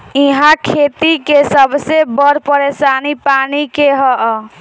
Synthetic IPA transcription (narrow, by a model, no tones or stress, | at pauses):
iɦãkʰet̪ikesəbʱsebəɾpəɾesanipanikeɦə